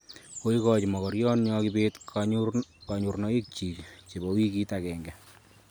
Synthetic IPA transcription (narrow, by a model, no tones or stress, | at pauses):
koikɔt͡ʃimɔkɔɾjɔnɲɔkibeːtk | kaɲurnɔik̚t͡ʃiːkt͡ʃebɔwikitakɛŋɡɛ